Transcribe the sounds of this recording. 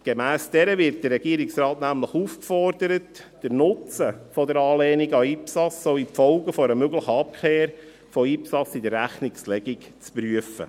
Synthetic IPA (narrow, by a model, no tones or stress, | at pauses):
ɡ̥emæːsd̥ɛɾəʋɪɾt̚d̥ərːɛɡ̥iəɾɪksɾɑːtnæmləχuːfkfɔrd̥əɾətd̥əɾnʊt͡səfɔdəɾɑːlɛːniɡɑipsɑsoipfɔʊɡəfɔɾəmøɡləχəɑp̚kʰχeːɾ | fɔipsɑsidərːæχnɪkslɛɡɪk | t͡spɾyəfə̰